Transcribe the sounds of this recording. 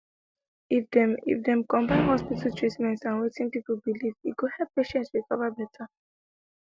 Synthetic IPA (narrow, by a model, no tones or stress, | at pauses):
ifdḭfdɛ̃mkɔ̃mbãɪ̃nhɔspitatʰɹitmɛ̃ntsãnwetĩŋpipolbiliviɡohɛlpːeʃɛ̃ntsɹikɔvəbɛtʰa